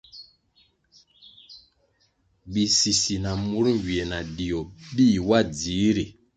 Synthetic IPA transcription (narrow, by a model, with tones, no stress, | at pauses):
bi˨si˨si˨na˨mu˨˦ɾŋ˨ɡi˨e˨na˨di˨o˨bi˦˨wa˦d͡zi˨˦ɾi˨